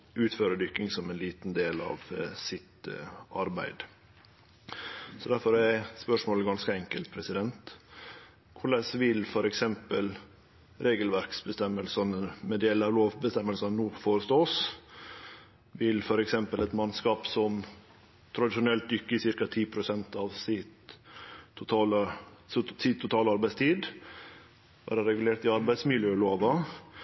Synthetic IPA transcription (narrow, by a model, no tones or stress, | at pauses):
ʉːt̪føːɾəd̪ʏkːɪŋsɔmɛɪnliːt̪nd̪eːlɑ̰ʋsɪt̪ɑɾbæ̰ɪd̪ | sɔd̪æɾfɔɾæspœʂmoːləɡɑnskəɛŋkəlt̪̚pʰɾɛsɪd̪ɛnt̪ | kʰʊɭɛsʋɪlfɔɾɛksɛmpəl | ɾeːɡəlʋæɾksbəst̪ɛmːəlsɑnəmɛd̪eːləɑʋloːʋbəst̪ɛmːəlsɑnnuːfoːɾəst̪oːs | ʋɪlfɔɾɛksɛmpəlɛt̪mɑnskɑːpsɔm | t̪ʰɾɑd̪ɪʃʊnɛlt̪̚d̪ʏkːəsɪɾkɑt̪ʰiːpʰɾʊsɛnt̪ɑʋsɪt̪ʰː | ʊt̪ʰɑːl | sɪt̪ʰːʊt̪ʰɑːlɑɾbæɪst̪ʰiːd̪ | ʋæ̰ːɾəɾɛɡʉleːʈ̪ɪɑɾbæɪsmɪljøːloːʋɑ